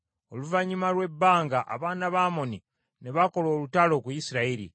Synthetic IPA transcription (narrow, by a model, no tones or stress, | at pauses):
o̞luvaɲimalwe̞bːaːŋɡaʔa̰βaːnaβaːmo̞ni | neβako̞lo̞ːlutalo̞ːkujisiɾaiɾḭ